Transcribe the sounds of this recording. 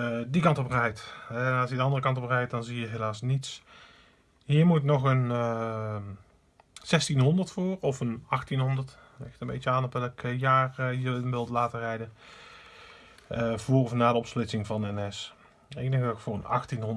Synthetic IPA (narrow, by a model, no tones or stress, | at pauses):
dikɑntɔprɛjtɛnɑlsjədəɑndərəkɑntɔprɛjt̚dɑnzijəɦelaːsnits | ɦiːɹmutnɔxən | z̥ɛstinɦɔndəɹtfʊːrɔfənɑxtinɦɔndəɹt | lɪ̰xtəmbḛjt͡ʃəaːnɔpʋɛlˠɪkjaːrɦiːɹnʋɪlˠdəlaːtərɛjdən | vʊːrɔfnaːdəɔpsplɪtsɪŋvɑndəɛnɛs | eːnəɣəkfʊːrənɑ̰xtinɦɔn